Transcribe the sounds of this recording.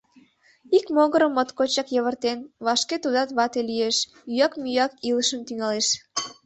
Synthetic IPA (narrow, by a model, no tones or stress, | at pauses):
ikmoɣəɾəmːot̪kot͡ɕɑkjəβərt̪enβɑʃket̪ud̪ɑt̪βɑt̪elijeʃ | yjɑkmyjɑkiləʃəmt̪yŋɑleʃ